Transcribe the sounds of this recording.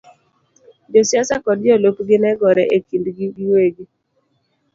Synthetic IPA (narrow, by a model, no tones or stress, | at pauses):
d͡ʒɔsjasakɔd̚d͡ʒɔlopɡɪnɛɡɔɾɛʔekindɡiɡiweɡi